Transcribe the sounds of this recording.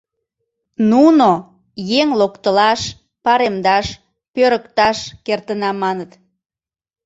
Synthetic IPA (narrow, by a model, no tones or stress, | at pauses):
nuno | jeŋlokt̪əlɑʃ | pɑɾemd̪ɑʃ | pøɾəkt̪ɑʃkert̪ənɑmːɑnət̪